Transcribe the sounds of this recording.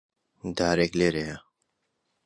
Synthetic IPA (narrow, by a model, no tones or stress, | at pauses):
d̪aːɾekleːɾejɐ